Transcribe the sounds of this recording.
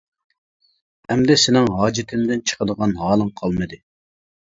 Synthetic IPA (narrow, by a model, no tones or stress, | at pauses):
hɛmd̪ɛsɪnɪŋɦɑːd͡ʒɪt̪ʰɪmd̪ɪnt͡ʃʰə̥qəd̪əʁɑnɦɑːlˠɨŋqʰɑlˠmɨd̪ɨ